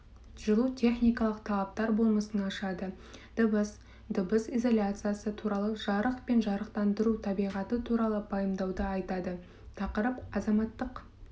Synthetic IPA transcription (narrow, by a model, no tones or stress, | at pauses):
ʒ̥əlˠut̪ʲʰe̞χnijkɑlˠəqt̪ʰɑlˠɑp̚t̪ɑɾbo̞lˠməsənɑʃɑd̪ə | d̪̥əbəs | d̪əbəsijzo̞lʲjat̪sɨjasət̪ʰuɾɑlˠəʒɑɾəqpe̞nʒɑɾəqt̪ɑnd̪əɾut̪ʰɑbijʁɑt̪ət̪ʰuɾɑlˠəpʰɑjəmd̪ɑwd̪əɑjt̪ɑd̪ə | t̪ʰɑqəɾəpɑzɑmɑt̪ːəq